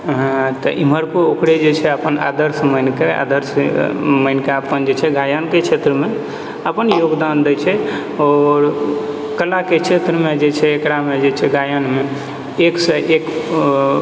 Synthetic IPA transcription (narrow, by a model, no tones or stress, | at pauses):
ɦt̪ɔʔim̤əɾkookɽed͡ʒet͡ʃʰɛəpəna̰d̪əɾsmənkea̰d̪əɾsməɪnkeəpənd͡ʒet͡ʃʰɛɡajənket͡ʃʰet̪ɾəme | əpənjoɡd̪and̪ɛt͡ʃʰɛ | ɔːɾ | kəlaket͡ʃʰet̪ɾəmed͡ʒet͡ʃʰɛːkɽamed͡ʒet͡ʃʰɛɡajənme | eksəʔek